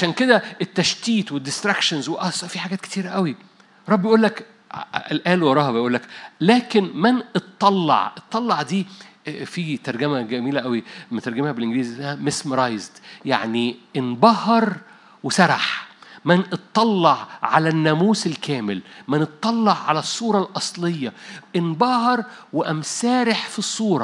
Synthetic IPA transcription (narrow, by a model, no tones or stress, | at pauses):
ʕaʃæːnked̪æet̪ːæʃt̪iːt̪wed̪ːɪst̪ɾækʃɑnzweʔɑsˤɑfiħaɡæːt̪ke̥t̪iːɾʔæwi | eɾˤɑbːjʔuːlːæk | elʔæːlwɑɾˤɑːhbejʔuːlːæklæːkenmænʔet̪ˤːɑlːɑ̰ʕʔet̪ˤːɑlːɑʕd̪iːfit̪ɑɾˤɡæmæɡæmiːlæʔæwimæt̪ɑɾˤɡæmhæbelʔɪŋɡliːzæhæmesmɾˤɑjzd̪ja̰ʕniʔenbɑhɑɾˤ | wesɑɾˤɑħmænʔɨt̪ˤːɑlːɑʕʕa̰lænːæmuːselkʰæːmɪlmænɨt̪ˤːɑlːɑʕʕalæsˤːuːɾˤɑlʔɑsˤlejːɑʔɪnbɑhɑɾˤweʔæmsæːɾeħfisˤːuːɾˤɑ